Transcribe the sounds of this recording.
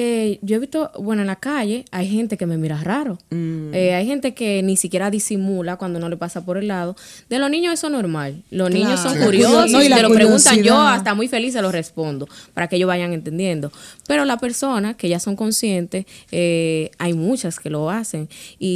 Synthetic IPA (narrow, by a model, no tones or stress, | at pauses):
eɟ͡ʝo̞eβist̪o̞βwe̞noaenlakaʝe̞ajɦe̞nt̪e̞ke̞me̞miɾaraɾoeajhe̞nt̪e̞ke̞nĩsikje̞ɾaðisimulakwand̪ono̞le̞pasapo̞ɾe̞lːað̞o̞ | d̪̥e̞losnĩɲoesonːoɾmalːo̞snĩɲosːo̞ŋkuɾjososelopɾeɣunt̪aʝoast̪amujfe̞lis̬elo̞sre̞spo̞nd̪opaɾakeeʝoβaʝaŋe̞nt̪e̞nd̪je̞nd̪o̞pe̞ɾo̞laspe̞ɾso̞nake̞ʝaso̞ŋko̞nsje̞nt̪e̞seajmũt͡ʃaske̞lo̞ase̞ŋi